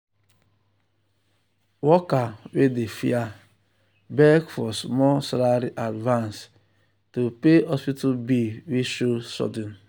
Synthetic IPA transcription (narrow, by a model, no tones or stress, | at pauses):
wɔkawedefḭa | bɛkfɔsmɔsalaɾiʔadvãns | tupeɔspitabiwiʃosɔ̰dɔn